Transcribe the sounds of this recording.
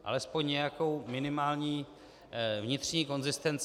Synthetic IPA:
ʔa̰lɛspo̞ɲɲɛjako̞wmɪnɪmaːlɲiː | vɲɪt̪r̥ɲiːko̞nzɪst̪ɛnt͡s

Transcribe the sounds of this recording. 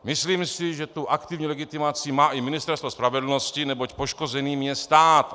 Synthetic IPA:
mɪsliːmsɪʒɛt̪uʔakt̪ɪvɲilɛɡɪt̪ɪmat͡sɪmaːʔɪmɪnɪst̪ɛɾst̪vospɾavɛdl̩noscɪnɛbocpoʃko̞zɛniːmjɛst̪aːt̪

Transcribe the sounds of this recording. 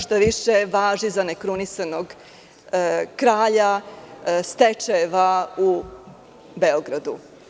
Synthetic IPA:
ʃt̪aʋiʃeʋaːʒizanekɾunisanoɡ | kɾaːʎa | st̪et͡ʃaʋau | be̞oɡɾad̪ṵ

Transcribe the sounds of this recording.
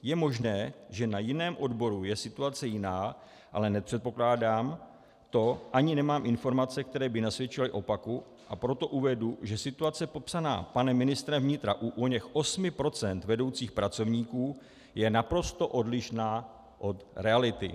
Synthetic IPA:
jɛmo̞ʒnɛːʒɛnajɪnɛːmʔo̞dbo̞ɾujɛsɪt̪uat͡sɛjɪnaː | ʔa̰lɛnɛpr̝̥ɛt̪̚po̞klaːdaːm | t̪o̞ʔaɲɪnɛmaːmʔɪnfo̞ɾmat͡sɛk̚t̪ɛɾɛːbɪnasvjɛt͡ʃɪlɪʔo̞paku | ʔa̰pɾo̞t̪o̞ʔuvɛduʒɛsɪt̪uat͡sɛpo̞psana̰ːpanɛmːɪnɪst̪ɾɛvɲɪt̪ɾaʔuʔoɲɛxʔo̞smɪpɾo̞t͡sɛnt̪vɛdo̞wt͡siːxpɾat͡so̞vɲiːkuː | jɛnapɾo̞st̪o̞ʔo̞dlɪʃnaː | ʔo̞t̪ɾɛalɪt̪ɪ̰

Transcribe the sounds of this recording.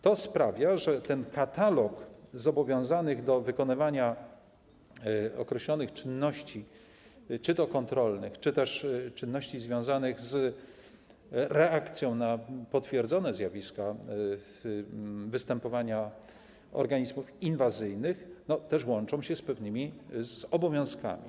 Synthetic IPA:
t̪ɔspɾavʲjaʐɛt̪ɛnkat̪alɔkzɔbɔvʲjɔ̃w̃zanɘɣd̪ɔvɘkɔnɘvaɲa | ɔ̰kɾɛɕlɔnɘxt͡ʂɘnːɔɕt͡ɕi | t͡ʂɘd̪ɔkɔnt̪ɾɔlnɘxt͡ʂɘt̪ɛʂt͡ʂɘnːɔɕt͡ɕizvʲjɔ̃w̃zanɘɣz | ɾɛakt̪sʲjɔ̃w̃napɔt̪fʲjɛɾd̪zɔnɛzʲjavʲiska | vɘst̪ɛmpɔvaɲa | ɔ̰ɾɡaɲizmufinvazɘjnɘxnɔt̪ɛʂwɔnt͡ʂɔ̃w̃ɕɛspɛvnɘmʲizɔbɔvʲjɔ̃w̃ska̰mʲḭ

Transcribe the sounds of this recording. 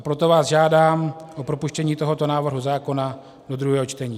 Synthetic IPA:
pɾo̞t̪ovaːsʒaːdaːmʔopɾo̞puʃcɛɲiːt̪o̞ɦo̞t̪o̞naːvr̩ɦuzaːko̞na | dod̪ɾuɦɛːɦo̞t͡ʃt̪ɛɲiː

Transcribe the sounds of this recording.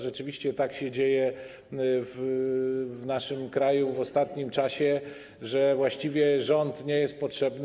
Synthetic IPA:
ʐɛt͡ʂɘvʲiɕt͡ɕɛt̪akɕɛd͡ʑejɛ | v | vnaʂɘmkɾajuvɔst̪at̪ɲimt͡ʂaɕɛ | ʐɛvwaɕt͡ɕivʲjɛʐɔnt̪ɲejɛst̪̚pɔtʂɛbn

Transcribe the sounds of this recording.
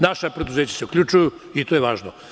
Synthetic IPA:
naʃapɾed̪uzeːt͡ɕḁseukʎʲut͡ʃujuit̪oːjeʋaːʒno

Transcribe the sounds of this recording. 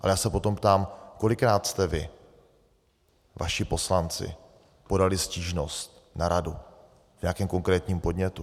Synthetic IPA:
ʔalɛjaːsɛpo̞t̪o̞mpt̪aːmko̞lɪkɾaːt̪st̪ɛvɪ̰ | va̰ʃɪpo̞slant͡sɪ̰ | po̞dalɪsciːʒnost̪ | naɾadu | vɲakɛːmko̞ŋkɾɛːt̪ɲiːmpo̞dɲɛt̪u

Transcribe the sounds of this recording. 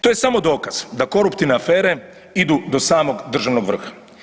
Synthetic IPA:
t̪o̞jesamo̞d̪o̞ːkaz̥d̪ako̞ɾupt̪iʋneafeːɾe̞ | id̪ud̪o̞saːmo̞ɡd̪r̩ʒaʋnoɡʋr̩xḁ

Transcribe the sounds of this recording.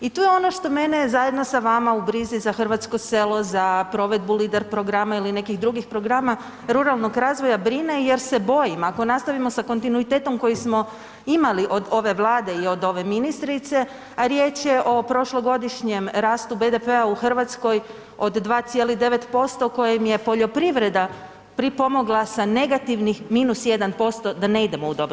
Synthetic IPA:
it̪uːjeo̞no̞ʃt̪o̞me̞ne̞zaje̞d̪no̞saʋamaubɾizizaxrʋat̪sko̞se̞lo̞zapɾo̞ʋe̞d̪̚buliːd̪eɾpɾo̞ɡɾamailine̞kixd̪ɾuɡixpɾo̞ɡɾama | ɾuɾalˠno̞ɡɾaːzʋo̞jabɾine̞je̞ɾse̞bo̞jimako̞nast̪aʋimo̞sako̞nt̪inuit̪e̞ːt̪o̞mko̞jismo̞ | imaliʔo̞d̪o̞ʋe̞ʋlˠaːd̪e̞io̞d̪o̞ʋe̞minist̪ɾit̪se̞ | aɾjet͡ʃje̞ʔo̞pɾo̞ʃlˠoɡo̞d̪iʃɲe̞mɾaːst̪ube̞d̪e̞pe̞auxr̩ʋat̪sko̞j | od̪ːʋaːt̪sije̞liɣd̪e̞ʋe̞t̪po̞st̪o̞ko̞jimje̞po̞ʎo̞pɾiʋɾe̞d̪a | pɾipo̞mo̞ɡlˠasane̞ɡat̪iʋnixmiːnusje̞d̪anpo̞st̪o̞d̪ane̞id̪e̞moud̪ob

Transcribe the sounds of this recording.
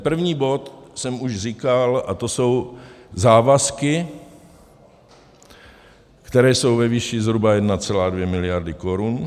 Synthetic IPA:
pr̩vɲiːbo̞t̪sɛmuʃriːkalʔat̪oso̞wzaːvaskɪ | kt̪ɛɾɛːso̞wvɛviːʃɪzɦɾubajɛdnat͡sɛlaːdvjɛmɪlɪjaɾdɪkoɾun

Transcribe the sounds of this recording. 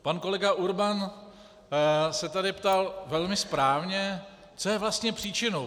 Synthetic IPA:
panko̞lɛɡaʔuɾban | sɛt̪adɪpt̪alvɛlmɪspɾaːvɲɛ | t͡so̞jɛvlast̪ɲɛpr̥iːt͡ʃɪnow

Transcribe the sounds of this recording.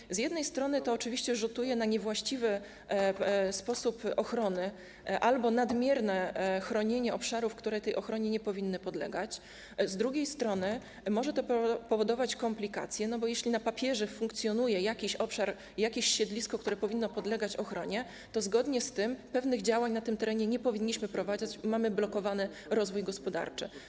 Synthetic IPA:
zjɛd̪nɛjst̪ɾɔnɘt̪ɔːt͡ʂɘvʲiɕt͡ɕɛʐut̪ujɛnaɲɛvwaɕt͡ɕivɘ | spɔsupɔxɾɔnɘ | ʔalbɔnad̪mʲjɛɾnɛxɾɔɲeɲɛʔɔpʂaɾufkt̪uɾɛjt̪ɛjɔxɾɔɲɛɲɛpɔvʲinːɘpɔd̪lɛ̰ɡat͡ɕ | zd̪ɾuɡʲejst̪ɾɔnɘ | mɔʐɛt̪ɔpɔvɔd̪ɔvat͡ɕkɔmplʲika̰t̪sʲjɛnɔbɔjɛɕlʲinapapʲjɛʐɛfuŋk̚t̪sʲjɔn̪ujɛjakʲiɕɔpʂaɾ | jakʲiɕɕɛd̪lʲiskɔkt̪uɾɛpɔvʲinːɔpɔd̪lɛɡat͡ɕɔxɾɔɲɛ | t̪ɔzɡɔd̪ɲɛst̪ɘmpɛvnɘɣd͡ʑawaɲnat̪ɘmt̪ɛɾɛɲɛɲɛpɔvʲiɲːiɕmɘpɾɔvad͡ʑat͡ɕmamɘblɔkɔvanɘ | ɾɔzvujɡɔspɔd̪a̰ɾt͡ʂɘ̰

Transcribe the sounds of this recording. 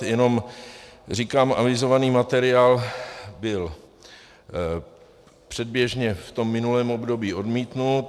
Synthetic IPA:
jɛno̞m | r̝ikaːmʔa̰vɪzo̞vaniːmat̪ɛɾɪaːlbɪl | pr̥ɛd̚bjɛʒɲɛft̪o̞mːɪnulɛːmobdo̞biːʔo̞dmiːt̪nut̪

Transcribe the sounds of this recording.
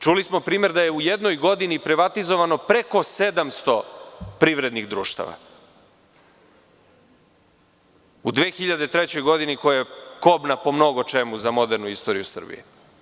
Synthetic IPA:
t͡ʃulismo̞pɾiːme̞ɾd̪ajeujed̪no̞jɡo̞d̪inipɾiʋat̪izo̞ʋano̞pɾe̞ko̞se̞d̪amst̪o̞pɾiʋɾe̞d̪niɣd̪ɾuːʃt̪a̰ʋa̰ | ud̪ʋeːxiʎad̪e̞t̪ɾet͡ɕo̞jɡo̞d̪inikojajeko̞bnapo̞mno̞ɡo̞t͡ʂemuzamo̞d̪eɾnuist̪o̞ɾijusr̩bḭjḛ

